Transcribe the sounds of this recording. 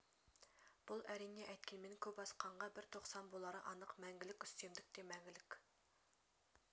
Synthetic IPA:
b̥ulˠæɾɪŋːʲɛʔɛjt̪̚kʲʰinmenkʲʰøpɑsqʰɑɴʁɑbɪɾt̪ʰoχsɑnbolˠɑɾəʔɑnəqmɛŋɡʲɪlɪkʲy̥st̪emd̪ɪk̚ʲt̪ʰemɛŋɡʲɪlɪkʲ

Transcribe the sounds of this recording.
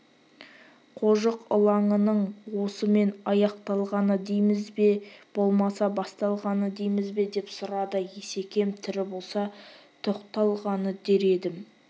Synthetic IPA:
qʰo̞ʒəqʊ̰lˠɑɴənəɴwo̞səme̞nɑjɑqt̪ɑlˠʁɑnəd̪ejmɪzbeb̥o̞lˠmɑsɑbɑst̪ɑlˠʁɑnəd̪e̞jmɪzbe̞d̪e̞psʊɾɑd̪əje̞se̞kʲe̞mt̪ʰɪɾɪbo̞lˠsɑt̪ʰoqt̪ɑlˠʁɑnəd̪e̞ɾe̞d̪ɪm

